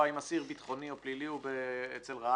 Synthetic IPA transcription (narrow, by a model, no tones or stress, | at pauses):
ajmasiʁbit̪χo̞nio̞pliliubeet͡selʁa